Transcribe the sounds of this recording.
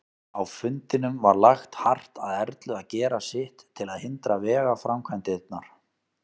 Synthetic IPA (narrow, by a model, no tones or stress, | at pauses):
awfʏnt̪ɪnʏmvaɾlaxt̪har̥t̪aðɛɾt̪lʏaðcɛːɾasɪht̪ʰːɪlaðhɪnt̪ɾavɛːɣafɾamkʰvajnt̪ɪɪt̪̚naɾ̥